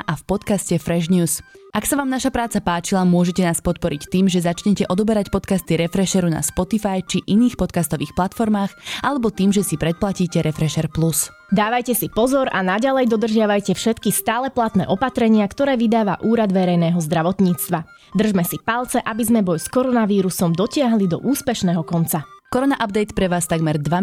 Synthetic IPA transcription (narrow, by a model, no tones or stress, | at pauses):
ʔafpɔt̪kascɛfɾɛʒɲuːsaksaʋaːmnaʃapɾaːt͡sapaːt͡ʃilamʊɔʒɛcɛnaːspɔt̪̚pɔɾict̪iːmʒɛzat͡ʃɲɛcɛʔɔd̪ɔbɛɾacpɔt̪kast̪iɾɛfɾɛʃɛɾuna̰spɔt̪ifajt͡ʃiʔiniːxpɔt̪̚kast̪ɔʋiːxplat̪fɔɾmaːxalɛbɔt̪iːmʒɛsipɾɛt̪̚placiːcɛɾɛfɾɛʃɛɾplus | d̪aːʋajcɛsipɔzɔɾanaɟalɛjd̪ɔd̪r̩ʒɪaʋajcɛfʃɛt̪kist̪aːlɛplat̪nɛ̰ːʔɔpat̪ɾɛɲɪakt̪ɔɾɛːʋid̪aːʋaʔuːɾad̪ʋɛɾɛjnɛːɦɔzd̪ɾaʋɔt̪ɲiːt͡st̪ʋa | d̪r̩ʒmɛsipalˠt͡sɛʔabizmɛbɔjskɔɾɔnaʋiːɾusɔmd̪ɔcɪaɦlid̪ɔ̰ʔuːspɛʃnɛːɦɔkɔnt͡sa | kɔɾɔnaʔabd̪ɛjt̪pɾɛʋaːst̪aɡmɛɾd̪ʋa